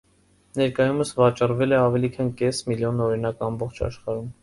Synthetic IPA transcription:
nɛɾkɑjuməsvɑt͡ʃɑrvɛlɛɑvɛlikʰɑnkɛsmiljɔnɔɾinɑkɑmbɔχt͡ʃʰɑ̰ʃχɑɾum

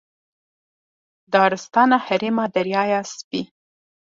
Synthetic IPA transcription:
d̪ɑːɾɪst̪ɑnahaɾimad̪aɾjɑjɑspi

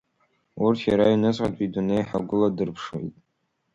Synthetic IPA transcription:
urtʰjaɾainɨt͡sʼqʼatʼidunejħaɡʷʊladɨrpʰʂwḛjtʼ

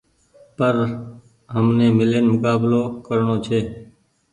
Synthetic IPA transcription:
pəɾ | ɦəmnẽːmɪleːnmʊkaːbloːkəɾɳoːt͡ʃʰeː

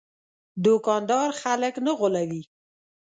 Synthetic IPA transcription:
d̪okɑnd̪ɑɾxaləknəɣʊlawi

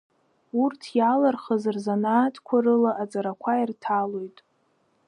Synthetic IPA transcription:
urtʰjalarχəzɨrzanaːtʰʼkʷʰaɾɨlaʔat͡sʼaɾakʷʰairtʰalojtʼ

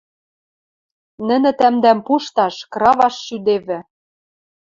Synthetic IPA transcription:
nɘ̆nɘ̆t̪æmd̪æmpuʃt̪ɑʃkrɑβɑʃːyd̪eβɘ̆

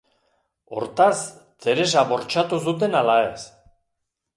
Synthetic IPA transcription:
o̞̰ɾt̪ast̪e̞ɾe̞s̬aβo̞ɾt͡ʃat̪us̬ut̪e̞nalaes

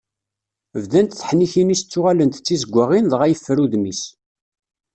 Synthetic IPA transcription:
vðænt̪θə̥ħniçinist͡sːʊʁalənt̪t͡sːizəɡʷːəʁinðʁæjəfːəɾuðmis

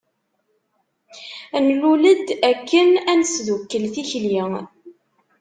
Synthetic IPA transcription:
nluləd̪ækːənænəsðukːəlθiçliŋ

